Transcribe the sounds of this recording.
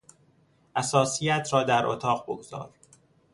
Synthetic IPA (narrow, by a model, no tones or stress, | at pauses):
ʔæsɒːsijæt̪ʰɾɒːd̪æɾʔo̰t̪ʰɒːʁbo̰ɡoz̥ɒ̰ːɾ